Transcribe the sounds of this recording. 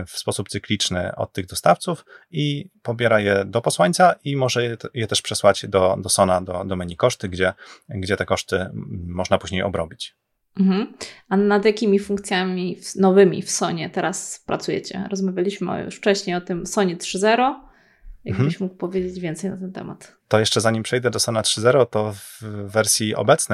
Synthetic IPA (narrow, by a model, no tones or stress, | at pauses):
fspɔsup̚t̪sɘklʲit͡ʂnɘ̰ɔ̰t̪̚tːɘɣd̪ɔst̪aft̪sufipɔbʲjɛɾajɛd̪ɔpɔswaɲʲt̪saʔimɔʐɛjɛt̪ɛʂpʂɛswad͡ʑd̪ɔd̪ɔsɔnad̪ɔd̪ɔmɛɲikɔʂt̪ɘɡd͡ʑɛɡd͡ʑɛt̪ɛkɔʂt̪ɘmɔʐnapuʑɲejɔ̰bɾɔbʲit͡ɕ | m̩ɦm̩anad̪jakʲimʲifuŋk̚t̪sʲjamʲifnɔvɘmʲḭfsɔɲɛt̪ɛɾaspɾat̪sujɛ̰t͡ɕɛ̰ɾɔzmavʲjalʲiɕmɘ̰jṵʂft͡ʂɛɕɲejɔt̪ɘmsɔɲɛt̪ʂɘzɛɾɔ | jaɡbɘɕmukwpɔvʲjed͡ʑed͡ʑvʲjɛnt̪sɛjnat̪ɛnt̪ɛ̰ma̰t̪ | t̪ɔjɛʂt͡ʂɛzaɲimpʂɛjd̪ɛd̪ɔsɔnat̪ʂɘzɛɾɔt̪ɔvːɛɾsʲjiɔ̰bɛt̪snɛ